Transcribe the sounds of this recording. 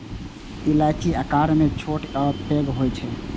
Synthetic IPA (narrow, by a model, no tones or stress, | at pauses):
ilat͡ʃiəkaɾmẽt͡ʃʰoʈɔpeɡɦojt͡ʃʰɛ